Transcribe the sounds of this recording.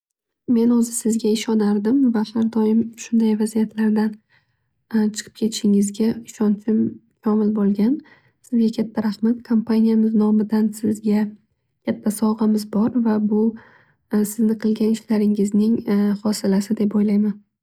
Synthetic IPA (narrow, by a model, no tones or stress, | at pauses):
me̞nozɪsɪzɡʲaɪʃɒnaɾd̪ɪmvahaɾd̪ɒjɪmʃʊnd̪ajvazijat̪ʰlaɾd̪an | t͡ʃʰɨ̥qʰɨp̚kʲʰe̞t̪ʰɪ̥ʃɪŋɪzɡʲaɪʃɒnt͡ʃʰɪmkʲʰɒmɪlbolˠɡʲan | sɪzɡʲakʲʰat̪ʰːaɾaχmat̪̚kʰompʰanijamɪznɒmɪd̪ansɪzɡʲa | kʲʰat̪ʰːasɒʁɑmɪzbɒɾvabʊ | sɪznɪqʰɨlˠɡʲanɪʃlaɾɪŋɪznɪŋχɒsɪlasɪd̪e̞pojlajman